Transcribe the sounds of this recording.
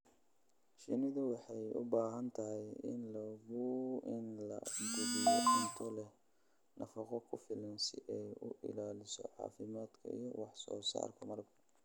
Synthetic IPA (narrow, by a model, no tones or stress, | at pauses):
ʃɪnɪðʊwɑħɑjʊ̰baːɦɐnt̪ʰɐɦɛjɪ̰nlɐɣʊɪnlɐ̰ɡʊdijɔdɪnt̪ʰɔlɛ | nʔɐfɑqɔkʰʊfɪlɐnsɪʔɛjʊʔɪ̰laːlɪsɔ̰ʕɑ̰ːfɪmaːd̪kʰɐ̰ḭjɔwɑħsɔ̰ːsa̰ːrkʰɐmɐrbɐ